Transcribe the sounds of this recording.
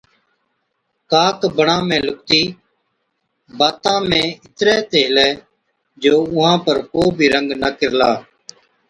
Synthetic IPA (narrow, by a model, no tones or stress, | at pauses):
kaːkbəɳãːmẽːlʊkt̪iː | baːt̪ãːmẽːɪt̪ɾɛːt̪eːlɛː | d͡ʒoːʊɦãːpəɾkoːbʱiːɾəŋɡnəkɪɾlaː